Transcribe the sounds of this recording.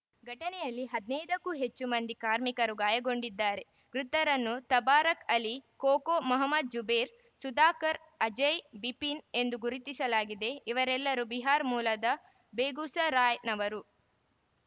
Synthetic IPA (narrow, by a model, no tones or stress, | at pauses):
ɡʱɐʈɐnɛjɐlːiɦɐd̪inɛjd̪ɐkːuɦet͡ʃːumɐnd̪ikaːɾmikɐɾuɡaːjɐɡo̞ɳɖid̪ːaːɾe̞ | ɡ̥ɾut̪ːɐɾɐnːut̪ɐbaːɾɐkɐlikoːkoːmɐɦɐmːɐd̪̚d͡ʒubeːɾ | sud̪aːkɐɾ | ɐd͡ʒɐjbipine̞nd̪uɡuɾit̪isɐlaːɡid̪e̞iʋɐɾɛlːɐɾubiɦaːɾmuːlɐd̪ɐ | beːɡuːsɐɾaːjnɐʋɐɾu